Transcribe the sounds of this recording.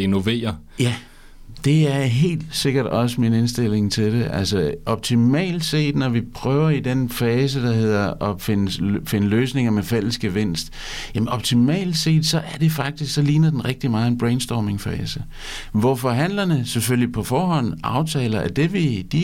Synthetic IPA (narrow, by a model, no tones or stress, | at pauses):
eno̝ʋe̝̰ːɐjæ | d̥e̝æɐɦe̝̰ːld̥se̝ɡ̥ɐɾ̥ɒ̽səmine̝nsd̥e̝l̰e̝ŋt͡sʰe̝ld̥eʔælsəʔɒ̽b̥̚t͡sʰimɛ̰ːld̥se̝̰ːd̥nɒʋipʰʁœːʊɐid̥enfɛːs̬əd̥ɑ̈ɦe̝ð̞̰ˠɐʔɒ̽fe̝nəfe̝nəløːsne̝ŋɐmefel̰əsɡ̥əʋen̰sd̥ | jæmənɒ̽b̥̚t͡sʰimɛ̰ːld̥se̝̰ːd̥sɒ̽ʔæɐd̥e̝fɑ̈ɡ̥̚d̥isɡ̥sɒ̽liːnɐd̥enʁɛɡ̥̚d̥imɑ̈ːð̩ˠe̝nb̥ʁeɪnsd̥ɒːme̝ŋfɛːsə | ʋɒfɒ̽ɦæn̰lɐnəseføljipʰɒ̽fɒːɦɒ̽n̰ʔɑ̈ʊt͡sʰɛ̰ːlɐæɐd̥e̝ʋid̥i